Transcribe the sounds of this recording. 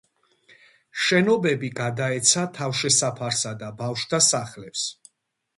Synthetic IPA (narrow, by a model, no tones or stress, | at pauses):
ʃɛnɔbɛbiɡad̪aɛt̪sʰat̪ʰavʃɛsapʰaɾsad̪abafʃd̪asaχlɛps